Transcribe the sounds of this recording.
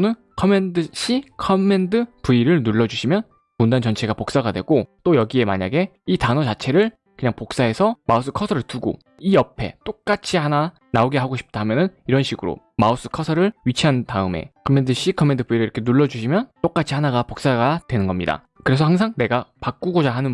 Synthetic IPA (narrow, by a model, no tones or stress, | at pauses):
onɯn | kʰʌme̞ndɯɕ͈ʰikʰʌmːe̞ndɯpuiɾɯɭnuɭːʌd͡ʑuɕʰimjʌn | mundant͡ɕʌnt͡ɕʰe̞ɡapok̚s͈aɡadwe̞̰ɡot͈ojʌɡie̞ma̰ɲaɡe̞itanʌt͡ɕat͡ɕʰe̞ɾɯɭ | kɯɲaŋpok̚s͈ae̞sʰʌmaus͈ɯkʰʌsʰʌɾɯɭtuɡo̰ | iʌpʰe̞̰t͈ok̚k͈at͡ɕʰihana | naoɡeɦaɡoɕʰi̥p̚t͈aɦamjʌnɯniɾʌnɕʰiɡɯɾo̰ | maus͈ɯ̥kʰʌsʰʌɾɯɭɥit͡ɕʰiɦantaɯme̞̰kʰʌmːe̞ndɯɕ͈ikʰʌmːe̞ndɯbuiɾɯɭiʌkʰenuɭːʌd͡ʑuɕʰimjʌnt͈ok͈at͡ɕʰihanaɡapok̚s͈aɡadwe̞nɯnɡʌmɲida̰ | kɯɾe̞s̬ʰʌhaŋs̬ʰaŋne̞ɡapak͈uɡod͡ʑaɦanɯn